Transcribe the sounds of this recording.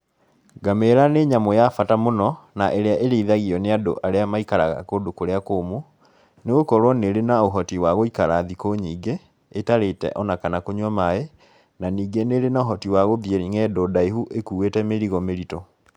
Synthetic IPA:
ɡameɾaneɲamojafatamonɔnaʔeɾeaʔeɾeiðaɣiɔneado̰ʔaɾeamaikaɾaɣa̰kodokoɾeakoːmo | neɣokɔɾwɔneɾenaoɦɔtiwaɣoikaɾaðikoɲiːɡeː | taɾetɛ̰ʔɔnakanakoɲwamae | naniːɡeneɾenaoɦɔtiwaɣoðjeɾiŋɛdoːdaiɦuʔekuːwetɛmeɾiɣɔmeɾitɔ

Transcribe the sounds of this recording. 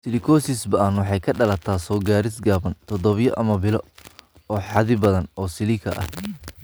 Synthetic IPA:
sɪlɪkʰɔːsisbɐanwɑħɑjkʰɐɖɐlɐt̪ʰaːsɔːɡaːɾɪsɡaːβɐnt̪ʰɔdɔβjɔ̰ʔɐmɐbɪlɔ | ɔːħɑðɪbɐðɐnɔːsɪlɪkʰɐ̰ʔɐ̰h

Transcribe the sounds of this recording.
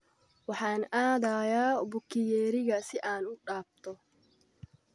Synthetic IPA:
wɑħaːnaːd̪aːjaːbʊkːɪjɛːɾɪɣɐsɪʔaːnʊɗaːb̚t̪ʰɔ

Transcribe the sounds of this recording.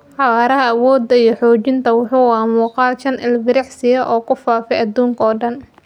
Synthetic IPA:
ħɑɣaːɾɐɦɐɐwɔːd̪ːɐijɞħɔːt͡ʃɪnt̪ʰɐwʊħuːwaːmuːqɑːlʃɐnʔɪlɡɪɾɛħsɪjɐʔɔːkʰʊfaːfɛjɐd̪uːŋkʰɐɔːɖɐn

